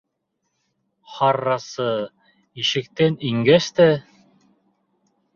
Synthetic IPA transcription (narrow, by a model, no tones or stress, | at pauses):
χɑrːɑsɤ | iʃɘ̆k̚t̪æniŋɡæst̪æ